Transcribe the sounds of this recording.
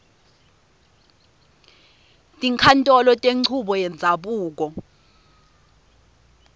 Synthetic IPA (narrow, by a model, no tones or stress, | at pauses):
tʼiŋkʰantʼɔlɔtʼeŋ͡ǀʰuɓɔjɛnd͡zʱaɓuːk̬ɔ